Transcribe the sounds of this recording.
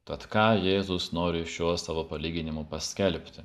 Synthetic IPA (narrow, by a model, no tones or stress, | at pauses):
t̪ɐt̪kɑːjeːzʊsnoːɾʲɪʃʲuɔsɑːʋopɐlʲiːɡʲɪnʲɪmʊpɐsʲkʲɛlʲpʲt̪ʲɪ